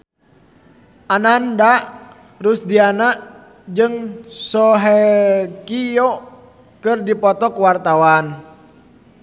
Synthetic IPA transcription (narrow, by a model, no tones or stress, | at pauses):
ʔananda | rusdianaʔ | d͡ʒɨŋsɔɦɛkijɔ | kɨrdipɔt̪ɔkuwart̪awan